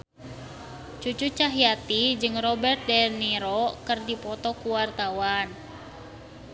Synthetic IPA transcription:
t͡ʃut͡ʃut͡ʃaɦiat̪id͡ʒɨŋrɔbɛrt̪̚dɛrniɾɔkɨrdipɔt̪ɔkuwart̪awan

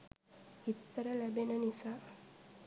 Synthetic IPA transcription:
it̪ːəɾəlæbenənisaː

